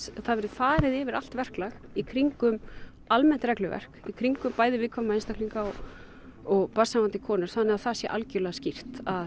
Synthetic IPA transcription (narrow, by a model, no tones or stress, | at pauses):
θaðvɛɾɪðfaːɾɪðɛvɪɾal̥t̪vɛr̥klɛxikʰɾiŋkʏm | almɛn̥t̪ɾɛklʏvɛ̰r̥kikʰɾiŋkʏmpaːjðɪvɪːkʰɔamaejnst̪akʰliŋkaɔ | ɔɣpasamant̪ɪkʰɔːnʏɾ̥θanːɛɣaθasjɛʔa̰lcɪɾlɛɣascir̥t̪að